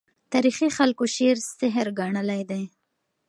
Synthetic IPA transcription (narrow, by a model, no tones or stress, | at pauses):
t̪ɑɾixixalkoʃeɾsɪɦɾɡɑɳəlajd̪aj